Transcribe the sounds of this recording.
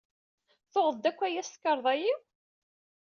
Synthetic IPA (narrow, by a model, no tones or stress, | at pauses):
θoʁəðˤd̪ækʷːæjæst̪kːəɾˤðˤɑji